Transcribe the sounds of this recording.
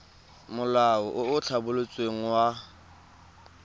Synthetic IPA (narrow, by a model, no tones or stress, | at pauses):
mʊlaɔʔʊʊt͡ɬʰabʊlʊt͡sʼweŋ̩wa